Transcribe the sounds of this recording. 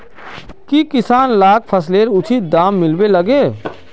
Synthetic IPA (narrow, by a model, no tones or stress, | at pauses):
kikɪsaːnlaːk̚pʰəsleːɾʊt͡ʃʰit̪̚d̪aːmːɪlbelɐɡeː